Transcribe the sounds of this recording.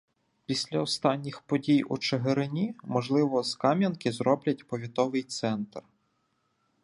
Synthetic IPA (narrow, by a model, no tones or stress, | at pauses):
pʲisʲlʲɐɔst̪ɑnʲːixpɔdʲijṵt͡ʃeɦeɾɪnʲimɔʒlˠɪʋɔskɑmʲjɐnkɪzɾɔblʲɐt̚ʲpɔʋʲit̪ɔʋɪjt̪sɛnt̪r